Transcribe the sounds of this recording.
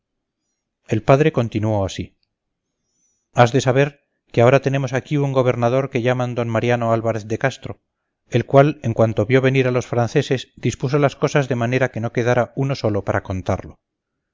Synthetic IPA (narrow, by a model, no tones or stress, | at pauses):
e̞lpaðɾe̞ko̞nt̪inuo̞asi | azðe̞saβe̞ɾ | keao̞ɾat̪e̞ne̞mo̞sakiuŋɡo̞βe̞ɾnaðo̞ɾke̞ʎamand̪o̞nmaɾjano̞alβaɾe̞θd̪e̞kast̪ɾo̞ | e̞lkwale̞ŋkwant̪o̞βjo̞β̞e̞niɾalo̞sfɾanθe̞se̞zd̪ispuso̞lasko̞sazðe̞mane̞ɾake̞no̞ke̞ðaɾauno̞so̞lo̞paɾʔako̞nt̪aɾlo̞